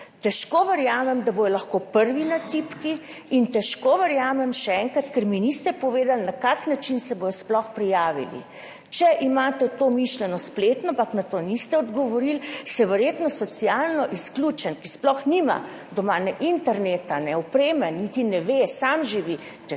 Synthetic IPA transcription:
t̪ɛʃkoːʋəɾjaːmɛmd̪abojɔlaxkopəɾʋinat̪ipki | int̪ɛʃkoːʋəɾjaːmɛmʃɛɛŋkɾat̪kɛɾminist̪ɛpɔʋeːd̪alnakaknat͡ʃinsɛboːjɔsplɔxpɾijaːʋḭlḭ | t͡ʃɛʔimaːt̪ɛt̪oːmiʃlɛnɔsplet̪nɔampaknat̪oːnist̪ɛɔd̪ɡɔʋɔɾilsɛʋɛɾjet̪nɔsɔsijalnɔʔisklʲuːt͡ʃɛnkisplɔxnima̰ | d̪ɔmaːnɛʔint̪ɛɾneːt̪anɛɔpɾeːmɛnnːit̪inɛʋesamʒiʋi | t̪ɛ

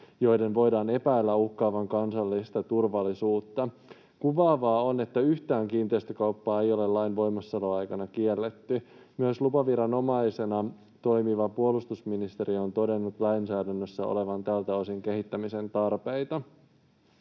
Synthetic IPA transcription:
jo̞jde̞nʋo̞jdɑːne̞pæilːæuhkːɑːʋɑŋkɑnsɑlːist̪ɑt̪urʋɑlːisuːt̪ːɑ | kuʋɑːʋɑːo̞ne̞t̪ːæyht̪æːŋkiːnt̪eist̪økɑwpːɑːejo̞le̞lɑjnʋo̞jmɑsːɑloɑjkɑnɑkielːet̪ːymyøslupɑʋiɾɑno̞mɑise̞nɑ | t̪o̞jmiʋɑpuolust̪usminist̪e̞ɾio̞nt̪o̞de̞nːut̪læjnsæːdænːøsːæo̰le̞ʋɑnt̪ælt̪æosiŋke̞ɦit̪ːæmise̞nt̪ɑrpejt̪ɑ

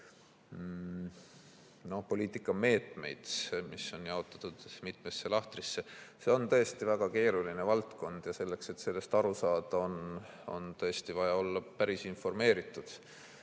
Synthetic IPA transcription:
no̞hpo̞lʲiːt̪ːˑikːˑɑme̞ːt̪ˑme̞̰jd̪̥misːo̞njɑo̞t̪ːˑɑ̥t̪ːˑud̪̥mit̪mesːe̞lɑht̪risːe̞se̞o̞nt̪ɤ̞est̪ivæɡ̥ɑke̞ːɾulinevɑlt̪ko̞nd̪̥jɑse̞lːe̞kse̞t̪se̞lːe̞st̪ɑɾusɑːd̪̥ɑo̞n | o̞̰nt̪ɤ̞est̪ivɑjɑo̞lːɑpæɾisinfo̞rme̞ːɾit̪ːˑud̪̥

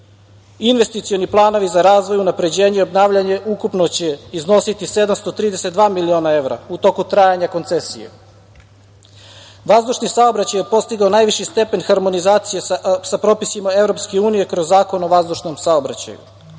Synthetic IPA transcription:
inʋe̞st̪it̪sijo̞niplˠaːno̞ʋizaɾaːzʋo̞junapɾe̞d͡ʑeːɲeiobnaːʋʎaɲe̞ukupnot͡ɕeizno̞sit̪ise̞d̪amst̪o̞t̪ɾiːd̪e̞set̪d̪ʋaːmilio̞ːnae̞ʋɾa̰ut̪o̞kut̪ɾajaɲako̞nt̪se̞sḭjḛ | ʋazd̪uʃnisao̞bɾat͡ɕajepo̞st̪iɡaonaːjʋiʃist̪e̞pe̞nxaɾmo̞nizaːt̪sijesapɾo̞pisimae̞vɾo̞pske̞uːnije̞kɾo̞zːaːko̞no̞ʋazd̪uʃno̞msaobɾa̰t͡ɕa̰jṵ

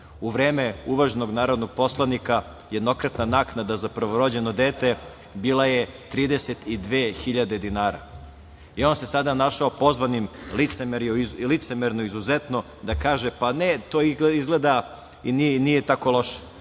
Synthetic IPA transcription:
uʋɾe̞ːmeuʋaʒenoɡnaːɾo̞d̪no̞ɡ̥̚po̞slˠanika | jed̪no̞kɾat̪nanaːknad̪azapɾʋoɾo̞d͡ʑe̞no̞d̪eːt̪e | biːlˠajet̪ɾiːd̪e̞set̪id̪ʋeːxiʎad̪e̞d̪inaːɾa̰ | io̞nse̞sad̪anaʃaopo̞zʋanimlit̪semeɾolit̪semeɾnoizuzet̪no̞ | d̪akaːʒepanet̪oːiizɡled̪a | ininijet̪ako̞lo̞ʃe̥

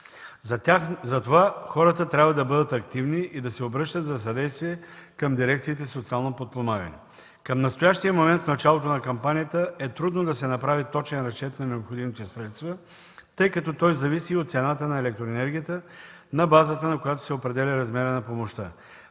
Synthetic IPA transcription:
azɐt̪ovaxɔɾət̪ət̪ɾʲabvəd̪ɐbɤd̪ət̪ɐk̚t̪ivniʔid̪ɐsɛobɾɤʃt̪ət̪zɐs̬ɐd̪ɛjst̪viɛkɐmd̪iɾɛkt̪siːt̪ɛsot̪sialˠnopot̪̚pomaɡɐ̰nɛ̰ | kɐmnɐst̪ojaʃt̪ijəmomɛnt̪fnɐt͡ʃalˠot̪onɐkɐmpanijət̪əɛt̪ɾud̪nod̪ɐsɛnɐpɾavit̪ɔt͡ʃɛnɾɐkɛt̪nɐnɛopxod̪imit̪ɛsɾɛt̪st̪və | t̪ɤjkɐt̪ɔt̪ɔjzɐvisiot̪t̪sɛnat̪ənɐɛlɛk̚t̪ɾoɛnɛɾɡʲijət̪ə | nɐbazət̪ənɐkojat̪o̥sɛopɾɛd̪ɛlʲiɾɐzmɛɾənɐpomoʃt̪ə

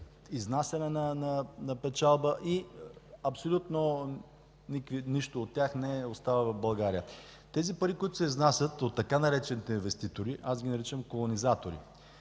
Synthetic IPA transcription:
iznasʲɐnɛnɐnɐnɐpɛt͡ʃalˠbəʔiɐpsolʲut̪no | nikviniʃt̪oːt̪ʲːjaxnɛost̪avəvɐfbɐlˠɡaɾijə | t̪ɛzipɐɾikoʊit̪osɛiznasʲət̪ot̪ːɐkanɐɾɛt͡ʃɛnit̪ɛinvɛst̪it̪oɾiʔasɡʲinɐɾit͡ʃəmkolˠonizat̪oɾḭ

